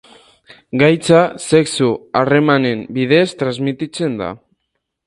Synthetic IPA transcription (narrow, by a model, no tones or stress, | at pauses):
ɡajt͡sase̞ksuare̞mane̞mbið̞e̞st̪ɾazmit̪it͡se̞nd̪a̰